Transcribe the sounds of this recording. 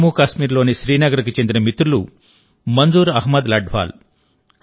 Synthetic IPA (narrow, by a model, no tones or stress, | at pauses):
muːkaːʃmiːɾlo̞ːniʃɾiːnɐɡɐɾɐkit͡ʃend̪inɐmit̪ɾulu | mɐnd͡ʒuːɾɐɦmɐd̪lɐɖʱʋa̰ːl